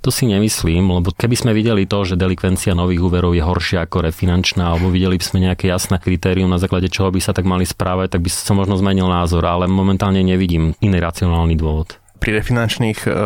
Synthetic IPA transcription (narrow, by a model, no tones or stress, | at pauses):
t̪ɔsiɲɛmisliːmlɛbɔkɛbizmɛʋiɟɛlit̪ɔʒɛd̪ɛlikʋɛnt͡sianɔʋiːɣuːʋɛɾɔʊjɛɦɔɾʃɪaakɔɾɛfinant͡ʃnaːalɛbɔʋiɟɛlibiz̥mɛɲɛakɛjasnɛkɾit̪ɛːɾiumnazaːklaɟɛt͡ʃɔɦɔbisat̪aɡmalispɾaːʋac̚t̪aɡ̚bisamɔʒnɔzmɛɲilnaːzɔɾalɛmɔmɛnt̪aːlɲɛɲɛʋiɟiːminiɾat͡siɔnaːlnid̪ʊɔʋɔt̪ | pɾiɾɛfinant͡ʃniːx